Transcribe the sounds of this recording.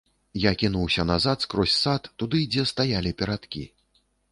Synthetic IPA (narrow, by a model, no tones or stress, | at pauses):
jakʲinuwsʲɐnazat̪skɾɔsʲsat̪ːud̪ɨd͡zʲɛst̪ajalʲipʲɛɾat̪kʲḭ